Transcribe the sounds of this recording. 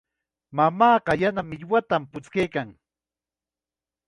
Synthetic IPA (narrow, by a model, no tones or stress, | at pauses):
mamɑːɢɑjanamɪʎwat̪ampʊt͡skejkaŋ